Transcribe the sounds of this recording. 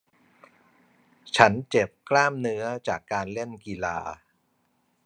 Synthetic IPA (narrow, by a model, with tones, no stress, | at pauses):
t͡ɕʰa˦˥nt͡ɕe˨˩p̚klaː˥˩mnɯ˦˥ɐt͡ɕaː˨˩kːaː˧nle˥˩nki˧la̰ː˧